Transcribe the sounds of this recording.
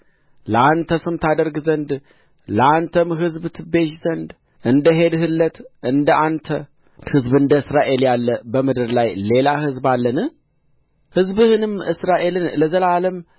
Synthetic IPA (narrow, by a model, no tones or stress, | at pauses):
ləant̪ʰəsɨmt̪ʰad̪əɾɡzənd̪ | ləant̪ʰəmɦɨzbt̪ʰɨbe̞ʃzənd̪ | ʔɨnd̪əɦe̞d̪hɨlːət̪ʔɨnd̪əʔant̪ʰə | hɨzbɨnd̪əɨsɾaʔe̞ljalːəbəmɨd̪ɨɾlajle̞lahɨzbalːənɨ | hɨzbɨhɨnɨmʔɨsɾaʔe̞lɨnləzəlaləm